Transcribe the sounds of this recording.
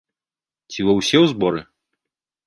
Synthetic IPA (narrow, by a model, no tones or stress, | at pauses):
t͡sʲivɐwsʲɛwzbɔɾɨ